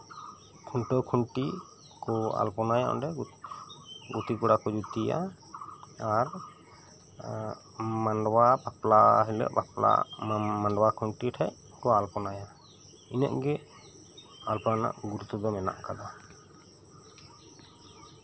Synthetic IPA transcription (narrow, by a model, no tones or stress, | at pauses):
kʰuɳʈɔkʰuɳʈi | kɔa̰lpɔnajaɔ̰ɳɖɛ | ɡut̪ikɔɽakɔd͡ʒut̪ija̰ | aɾ | manɖɔwabaplaɦilɛ̰ʔbapla̰maɳɖwakʰuɳʈiʈʰɛʔ | kɔalpɔnaja | inə̰ʔɡɛ | alpɔana̰ʔɡuɾut̪ɔd̪ɔmɛna̰ʔkad̪a